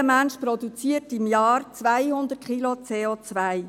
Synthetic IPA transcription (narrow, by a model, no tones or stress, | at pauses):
əmænʃpɾɔd̪ut͡siːətɪmjɑːrt͡sʋajhʊnd̪ətkilot͡seːot͡sʋaj